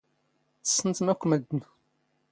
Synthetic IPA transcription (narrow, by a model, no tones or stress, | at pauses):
θə̥sːənt̪əmækʷːməd̪n